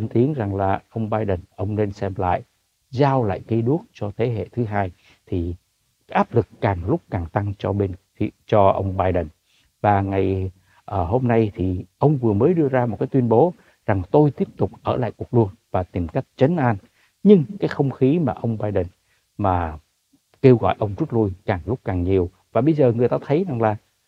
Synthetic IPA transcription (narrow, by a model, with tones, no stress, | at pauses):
ə˧nt̪i˨˦ənza˨˩ŋlaː˨˩ʔə˧wŋ͡mɓaː˧jɗə˨˩nʔə˧wŋ͡mne˧nsɛ˧mla̰ː˧˨jʔ | zaː˧wla̰ː˧˨jki˧˨˦ɗu˦˥ək̚t͡ɕɔ˧t̪ʰe˨˦ɦḛ˧˨t̪ʰɨ˨˦ɦaː˧j | t̪ʰi˨˩ | ʔaː˦˥p̚lɨ˨˩kːaː˨˩ŋlʊ˦˥k͡p̚kaː˨˩ŋt̪a˧ŋt͡ɕɔ̰˧ɓe˧nʰ˧ | t͡ɕɔ˧ʔə̰˧wŋ͡mɓaː˧jɗə˨˩n | vaː˨˩ŋa˨˩j | ʔəː˧˩ɦo˧mna˧jt̪ʰi˨˩ʔə˧wŋ͡mvɨ˨˩əməː˨˦jɗɨ˧əzaː˧mo˨˩t̚kaː˨˦jt̪wi˧ə˧nɓo˨˦ | za˨˩ŋt̪o˧jt̪i˦˥əp̚t̪ʊ˨˩k͡p̚ʔəː˧˩la̰ː˧˨jku˨˩ək̚lu˧˩əŋvaː˨˩t̪i˨˩mka˦˥jk̟̚t͡ɕə˨˦nʔaː˧n | ɲɨ˧ŋkaː˨˦jxə˧wŋ͡mxi˨˦maː˨˩ʔə˧wŋ͡mɓaː˧jɗə˨˩n | maː˨˩ | ke˧wɣɔ̰˧˨jʔə˧wŋ͡mzu˦˥t̚lu˧jkaː˨˩ŋlʊ˦˥k͡p̚kaː˨˩ŋɲi˨˩əw | vaː˨˩ɓə˧jzəː˨˩ŋɨ˨˩əjt̪aː˧t̪ʰə˨˦jza˨˩ŋlaː˨˩